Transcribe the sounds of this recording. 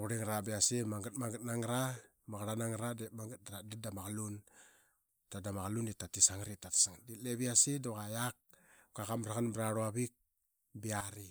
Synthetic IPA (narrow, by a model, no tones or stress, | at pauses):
uɾiŋɾabiasimaŋɡat̚maŋɡat̚naŋɾa | maɣɾanaŋɾademaŋɡat̚daɾadadamaɣalun | tadamaɣalunditatisaŋɾitati̥saŋdilebiasidokajak̚kakamɾaɣanbɾaɾuaβik̚ | biaɾi